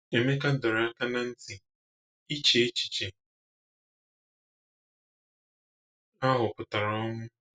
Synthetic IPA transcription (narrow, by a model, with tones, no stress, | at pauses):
e˨me˦ka˦dɔ˨ɾa˦ka˦na˨n̩˦ti˨ | i˦t͡ʃe˨e˦t͡ʃi̥˨t͡ʃe˨ | a˦ɦʊ˨pʊ˨ta˨ɾɔ˦ŋʷʊ˦